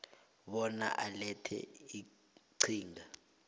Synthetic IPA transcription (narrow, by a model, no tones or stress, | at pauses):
ɓɔna̰ʔalɛtʰɛ̰i | ǀʰiːŋɡa